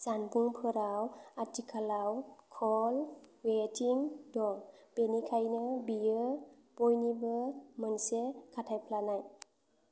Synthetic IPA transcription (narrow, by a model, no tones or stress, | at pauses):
z̥anbuŋpʰɯɾawatikʰalawkʰɔlwetʰiŋdɔb̥enikʰajnɯbiɯ | b̥ɔjnibɯmɯnsekʰatʰajpʰlanaj